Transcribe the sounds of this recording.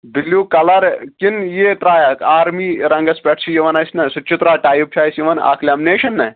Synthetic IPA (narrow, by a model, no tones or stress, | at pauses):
d̪iljuːkɐlɐɾkinjet̪ɾaːjɐkʰaːɾmiːɾɐŋɡɐspʲɛʈsʰijiʋɐnɐsʲnɐsut͡ʃit̪ɾaːʈaːjup̚t͡ʃʰaːjsiʋɐna̰ːkʰlʲaːmneːʃɐnːɐ